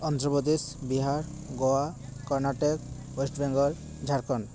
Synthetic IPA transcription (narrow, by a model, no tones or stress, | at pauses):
ɔnt̪ɾɔbɔd̪isbiɦaɾ | ɡoakɔɾnaʈek | wesʈbeŋɡɔɾ | d͡ʒʱaɾkɔn